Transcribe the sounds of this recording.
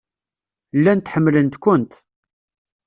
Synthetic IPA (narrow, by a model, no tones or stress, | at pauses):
lːænt̪ħəmːlənt̪kʷʊnt̪